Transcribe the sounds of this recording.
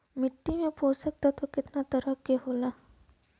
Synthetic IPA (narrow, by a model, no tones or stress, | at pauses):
mɪʈːimẽpʰoːsɐk̚t̪at̪okɪt̪nat̪ɐɾəkːeɦoːlaː